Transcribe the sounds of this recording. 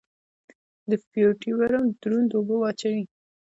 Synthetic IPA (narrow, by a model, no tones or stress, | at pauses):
d̪əfioʈiwaɾamd̪ɾund̪obəwɑt͡ʃawi